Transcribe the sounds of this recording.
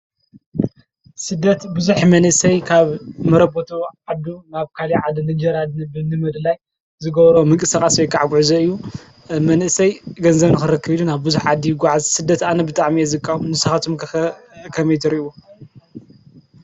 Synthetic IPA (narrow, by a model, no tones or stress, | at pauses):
sɨd̪ːɐt̪bɨzuħmɐnʔɨsɐjkʰaβmɐɾɐbot̪ʰuʕad̪unaβkʰaliʕad̪ɨnɨd͡ʒɐɾad̪nɨbɨnɨmɐd̪laj | zɨɡɐβɾomɨkʼɨsakʼasejkʰʼaʕaɡʷuʕuzɐɨjːu | mɐnʔɨsɐjɡɐnzɐβnɨxɨɾɨkʰːɨβid̪unaβbɨzuħʕad̪ːiɡʷaʕazsɨd̪ːɐt̪anɐbɨt̪ʼaʕmiezɨkʼːanɨsɐxat̪ʰom | kʰɐmɐjt̪ʰɨɾiu